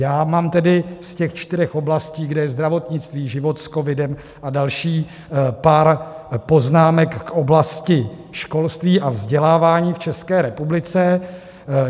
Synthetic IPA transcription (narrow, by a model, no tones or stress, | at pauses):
jaːmaːmt̪ɛdɪscɛxt͡ʃt̪ɪɾɛxo̞blasciːɡdɛjɛzd̪ɾavo̞t̪ɲɪt͡st̪viːʒɪvo̞t̪sko̞vɪdɛm | ʔadalʃiː | paːɾpo̞znaːmɛkːʔoblascɪ | ʃko̞lst̪viːʔavzɟɛlaːvaːɲiːft͡ʃɛskɛːɾɛpublɪt͡sɛ